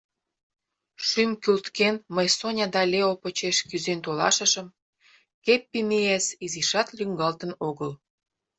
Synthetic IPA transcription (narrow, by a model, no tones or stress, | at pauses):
ʃymkylt̪kenməjsonʲɑd̪ɑlʲeopot͡ɕeʃkyzent̪olɑ̰ʃə̆ʃə̆m | kepːimeesiziʃɑt̪lʲyŋɡɑlt̪ə̆noɣəl